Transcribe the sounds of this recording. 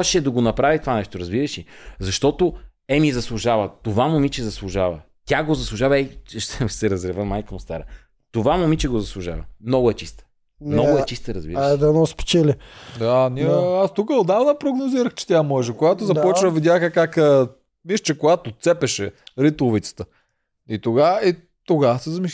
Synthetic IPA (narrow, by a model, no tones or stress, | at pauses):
ʃɛd̪ɐɡonɐpɾavit̪ovanɛʃt̪oɾɐzbiɾəʃizɐʃt̪ɔt̪o | ɛmizɐslˠʊʒavɐt̪ovamomit͡ʃɛzɐslˠʊʒavɐ | t̪ʲaɡozɐslˠʊʒavɐɛʃt̪ɛsɛɾɐzɾɛvəmajkəmʊst̪a̰ɾə | t̪ovamomit͡ʃɛɡozɐslˠuʒa̰və̰mnɔɡʊɛt͡ʃist̪ə̥ | nmnɔʊɛt͡ʃist̪əɾɐzbiɾɛd̪ɛnɔspɛ̥t͡ʃɛlɛd̪aniast̪ukəod̪avnəpɾoɡnoziɾəxt͡ʃɛ̥t̪ʲamɔʒɛkoɡat̪ʊzɐpɔt͡ʃnəvid̪ʲjaxəkakə | miʃt͡ʃɛkoɡat̪ʊt̪sɛpɛʃɛɾit̪ʊvit̪sə̥t̪ə | it̪oɡai | t̪oɡasɛzɐmi